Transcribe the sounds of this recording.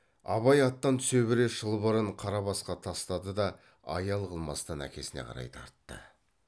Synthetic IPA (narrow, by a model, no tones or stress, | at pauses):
ɑ̰βɑjɑt̪ːɑnt̪ʰʏ̥se̞wbɪɾeʒəlˠbəɾəɴqʰɑɾɑβɑsqɑt̪ʰɑst̪ɑd̪əd̪ɑ | ɑ̰jɑlˠqʰəlˠmɑ̰st̪ɑnæ̰kʲe̞̰sɪneqʰɑ̰ɾɑ̰jt̪ʰɑ̰ɾt̪ːə̰